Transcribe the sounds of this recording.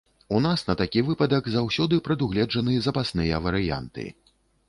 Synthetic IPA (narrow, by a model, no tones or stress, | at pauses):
unasnɐt̪akʲivɨpɐd̪ɐkzawsʲɔd̪ɨpɾɐd̪uɣlʲɛd͡ʐɐnɨjɐzɐpasnɨjɐvɐɾɨja̰nt̪ɨ̰